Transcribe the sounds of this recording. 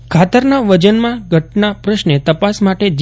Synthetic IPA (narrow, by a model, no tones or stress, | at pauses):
kʰat̪əɾnaʋəd͡ʒənmãɡʱəʈnapɾəʃnet̪əpasmaʈed͡ʒ